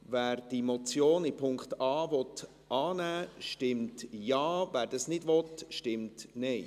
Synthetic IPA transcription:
væːɾd̥imɔt͡sjoːnɪpʰʊŋktɑːvɔt | ʔɑːnæːʃtɪmtjɑːvæːɾdɑsnɪdʋɔt̪ʃtɪmtnɛɪ

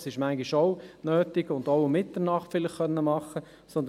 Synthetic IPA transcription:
sɪʃmæŋɡiʃoʊnøːtɪɡʊndoʊmɪtdənɑχtfɪlɪχχœnːəmɑχːə | sɔnd̪

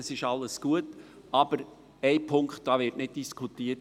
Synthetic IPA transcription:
ɑsɪʃɑlːəsɡ̥uət | ʔɑb̥əɾ | ɛɪpʰʊŋkχt̚d̥ɑːvɪɾtnɪd̚d̥iskʰutiət

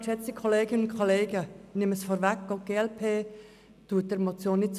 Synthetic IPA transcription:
ʃɛt͡sikʰoleːɡɪnənʊnkʰoleːɡənɪməsfɔɾʋækːɡ̥oɡ̥eːɛlpʰeː | tuːət̚d̥əɾmot͡sjoːnːɪt̚t͡s

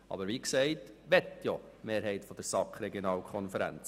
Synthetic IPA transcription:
ɑ̰bəɾʋiːksɛɪtʋɛt̪jɔ | meːɾɦɛɪtfɔd̪əɾsɑkχɾɛɡjɔnɑːlkʰɔnfəɾæ̰nt͡s

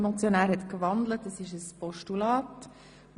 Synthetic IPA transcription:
mɔt͡sjonæːɾhɛt̪kvɑnd̪lətːɑsɪʃəspɔʃtulɑːt

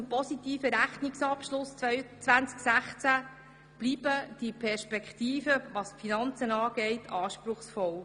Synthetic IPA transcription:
mpɔsitiːfəɾæχnɪksɑpʃlʊsœt͡sʋænt͡sksæχt͡sæ | b̥liːb̥əd̥ipʰɛɾʃpɛkχt̪iːfəvɑsfinɑnt͡sənɑːɡ̥ɛɪtʰɑːʃpɾʊχsfɔl

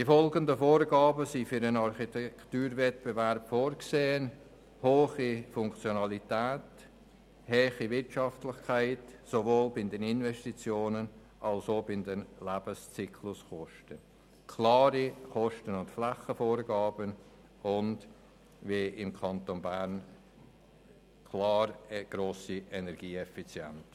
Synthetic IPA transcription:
d̥ifɔlɡəndəfoːɾɡɑːbəsifyɾənɑɾχitɛktuːɾvɛt̚b̥evɛɾpfoːɾkseːən | hoːχifʊŋkt͡sjonɑlitɛːt | hɛːχivɪɾtʃɑftlɪχkʰaɪtsovoːlbɪndɛnɪnvɛʃtit͡sjoːnən | ʔɑlsoːbɪndənlæb̥əst͡sikʰlʊsχɔʃtə | kʰlɑːɾiχɔʃtənʊntflaχəfoːɾɡɑːbən | ʊnd | viɪmkʰɑntonbæɾn | kʰlɑːɾɡ̥ɾoːsiɛnɛɾɡ̥iːɛfit͡sjɛ̰nt

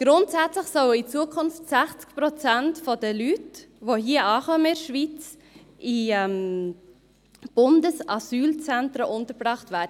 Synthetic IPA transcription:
ɡ̥ɾʊntsæt͡slɪχsɔwit͡suːəkʰʊnftsæχt͡skpɾɔt͡sɛntfodəlytvohiːəɑːχœməɪɾʃvit͡s | ʔiɛm | b̥ʊndəsɑsyːlt͡sɛntɾəʔʊntəɾbʁɑχtvæːd

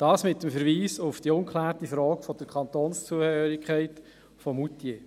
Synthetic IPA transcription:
d̥ɑːsmɪtːəmfəɾʋiːsʊfd̥iʊŋkʰχlæːɾtifɾɔːkfɔd̪̥əɾkʰχɑnt̪oːnst͡suəøːɾikχæɪt | fɔmutje

